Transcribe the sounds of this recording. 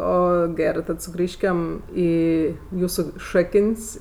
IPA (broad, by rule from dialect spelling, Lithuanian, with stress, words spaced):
ˈoː ˈɡʲæːrɜ tɐt sʊˈɡrʲiːʃʲkʲɛm ˈiː ˈjuːsʊ ˈʃɑːkənʲsʲ